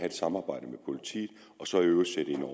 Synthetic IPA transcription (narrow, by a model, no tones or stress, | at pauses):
æe̝d̥sɑ̈mɑ̈ːb̥ɑ̈ɪ̰d̥əmepʰo̝lit͡sʰḭːð̩ˠ | ɒ̽sɒ̽iøːʊɐseɾ̥əe̝nɒ